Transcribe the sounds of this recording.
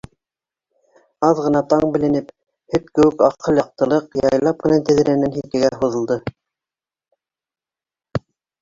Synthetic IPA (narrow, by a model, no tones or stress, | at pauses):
ɑðʁɤ̆nɑt̪ɑɴbɘ̆lɘ̆nɘp | hɵt̚kɘ̆wɘkɑqʰɤlˠɑq̚t̪ɤ̆lˠɤqjɑjlˠɑp̚mɘ̆nænt̪ɘ̆ðɘ̆ɾænːænɦik̪ɘ̆ɡæɦuðɤ̆lˠd̪ɤ